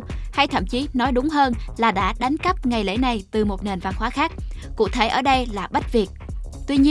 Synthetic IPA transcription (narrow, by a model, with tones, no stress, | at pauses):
ha˧jt̪ʰə̰˧˩˨mt͡ɕi˨˦nɔ˨˦jɗʊ˨˦ŋ͡mɦəː˧nlaː˨˩ɗa̰ː˧˥ɗa˨˦jŋ̟kə˦˥p̚ŋa˨˩jlḛ˧˥na˨˩jt̪ɨ˨˩mo˨˩t̚ne˨˩nva˧˩nhwaː˨˦xaː˦˥k̚kṵ˧˥t̪ʰe˧˩ʔə̰ː˧˩ɗə˧jlaː˨˩ɓə˦˥t̚vi˨˩ək̚t̪wi˧ɲi˧